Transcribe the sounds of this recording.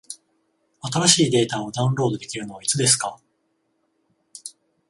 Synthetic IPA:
at̪aɾaɕiːd̪e̞ːt̪aod̪aɯ̃nɾo̞ːd̪o̞d̪e̞kʲiɾɯ̟no̞βait͡sɨd̪e̞s̬ɨ̥ka

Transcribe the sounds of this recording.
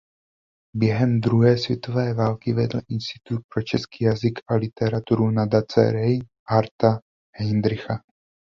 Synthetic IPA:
bjɛɦɛmd̪ɾuɦɛːsvjɛt̪o̞vɛːvaːlkɪvɛdl̩ʔɪnst̪ɪ̥t̪ut̪̚pɾo̞t͡ʃɛskiːjazɪkʰʔalɪt̪ɛɾat̪uɾunadat͡sɛ̰ɾɛj | ʔaɾt̪a | hɪnd̪ɾɪxa

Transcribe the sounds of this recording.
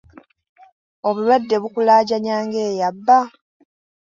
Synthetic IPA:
o̞βulwadːe̞βukulaːɟaɲaːŋɡe̞ːjabːa

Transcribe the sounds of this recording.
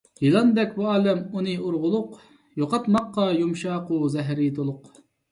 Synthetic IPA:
jilˠɑnd̪ɛkʲbuɑːlɛmunɨoɾʁʊlˠʊq | joqɑt̪mɑqːɑjumʃɑquzɛɦɾit̪olˠʊq

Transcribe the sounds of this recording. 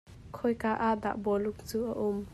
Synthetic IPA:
kʰɔjkaʔaʔd̪a̰ʔbɔlʊk̚t͡suːʔaʔʊm

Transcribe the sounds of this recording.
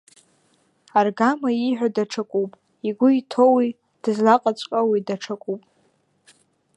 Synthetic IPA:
arɡamaiħʷᶣadaʈ͡ʂʰakʼupʼ | iɡʷʊitʰowi | d̥ɨzlaqʼat͡sʷʼqʼawidaʈ͡ʂʰakʷʼupʼ

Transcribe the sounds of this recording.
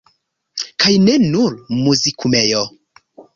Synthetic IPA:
kʰajnɛnuɾmuzikʰumɛjɔ

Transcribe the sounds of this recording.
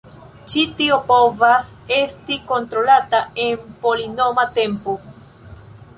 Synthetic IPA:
t͡ʃit̪iopovasest̪ikont̪ɾolat̪aempolinomat̪ẽmpo

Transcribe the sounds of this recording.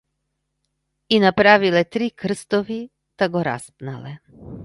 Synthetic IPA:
inapɾavilɛt̪ɾikr̩st̪ɔvi | t̪aɡɔɾa̰spna̰lɛ

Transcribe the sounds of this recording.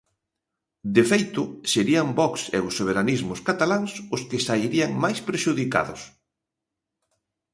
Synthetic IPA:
d̪efejt̪ʊseɾiambɔksḛʊsːoβ̞eɾanizmʊskat̪alaŋsʊskɪsaiɾiaŋmajspɾeʃuðika̰ðʊ̰s

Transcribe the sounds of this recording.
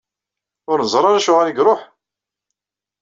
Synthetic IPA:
ʊɾnəzˤɾˤɑɾæʃʊʁæɾiɡɾˤoħ

